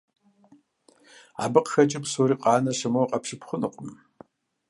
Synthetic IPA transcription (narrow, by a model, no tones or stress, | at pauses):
a̰bɨqxɐt͡ʃʼɪpsoːɾiːqʼɑːnɐʃɐmɐwqʼɐpʃɪpʰχʊnɨqʷʼʊm